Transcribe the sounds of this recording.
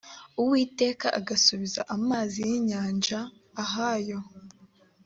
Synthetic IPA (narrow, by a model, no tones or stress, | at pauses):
uwiːte̞ːkaʔaɡasuβiza̰ʔamaːzijiɲaːnʒaː | ɦajo̞